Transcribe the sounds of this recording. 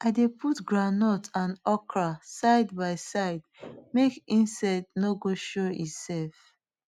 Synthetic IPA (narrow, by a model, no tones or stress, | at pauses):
aɪdeputɡɹanɔtãnɔkɹasaɪdbaɪsaɪdmekĩnsaɪdnoɡoʃoitsɛlf